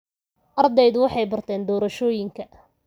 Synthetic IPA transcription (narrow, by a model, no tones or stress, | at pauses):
ʔɐrd̪ɛjðʊwɑħɑjbɐrt̪ʰɛːnd̪ɔːɾɐʃɔːjɪŋkʰɐ